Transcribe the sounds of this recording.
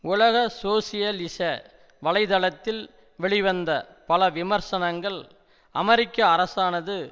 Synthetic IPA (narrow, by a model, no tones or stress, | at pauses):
ʊlɐɣɐsoːsɪjɐlɪsɐ | ʋɐlɐɪðɐlɐt̪ːɪl | ʋɛɭɪʋɐnd̪ɐ | pɐlɐʋɪmɐɾsɐnɐŋɡɐɭ | ɐmɐɾɪkːɐːɾɐsaːnɐðɯ